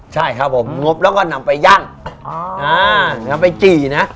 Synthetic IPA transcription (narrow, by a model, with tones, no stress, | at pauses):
t͡ɕʰa˥˩jkʰa˦˥˩pʰːo˩˦mŋo˦˥p̚lɛ˦˥wkɔː˥˩na˧mpa˧jːaː˥˩ŋʔaː˧ŋa˧˥mpa˧jt͡ɕiː˨˩na˦˥